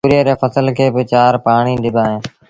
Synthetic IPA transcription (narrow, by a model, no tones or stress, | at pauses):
ɾieɾeːfəsəlkʰeːbɪt͡ʃaːɾpaːɽ̃iːɗɪbʱaːɦẽː